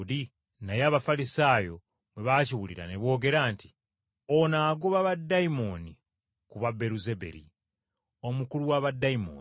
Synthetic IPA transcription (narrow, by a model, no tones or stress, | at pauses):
di | najeaβafalisaːjo̞̰ | βwe̞βaciβulḭɾa̰neβo̞ːɡe̞ɾaːnti̥ | onaːɡoβaβadːaimo̞ni | kuβabe̞ɾuzebe̞̰ɾḭ | o̞mukuluwaβadːaimo̰ː